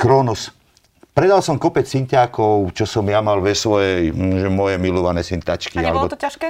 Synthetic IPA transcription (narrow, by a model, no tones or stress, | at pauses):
kɾɔnus | pɾɛd̪alsɔmkɔpɛt͡ssincaːkɔʊt͡ʃɔsɔmjamalʋɛsʋɔjɛjʒɛmʊɔjɛmilɔʋanɛsint̪at͡ʃkialɛbɔaʃ